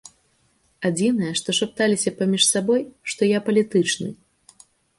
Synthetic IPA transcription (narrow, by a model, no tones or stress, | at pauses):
ad͡zʲinɐjɛʂt̪ɔʂap̚t̪alʲisʲɐpamʲiʂsabɔjʂt̪ɔjapɐlʲit̪ɨt͡ʂnɨ̰